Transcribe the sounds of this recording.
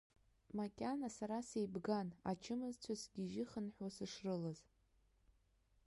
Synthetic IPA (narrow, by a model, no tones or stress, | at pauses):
makʲʼanasaɾasejbɡanat͡ʃʰɪmɨzt͡ɕʷʰasɡʲiʒɪχənħwasɨʂrɨlaz